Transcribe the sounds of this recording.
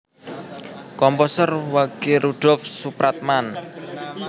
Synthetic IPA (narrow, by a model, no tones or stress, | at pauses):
kɔmpɔsərwaɡ̥iɾuɖ̥ɔfsupɾat̪̚man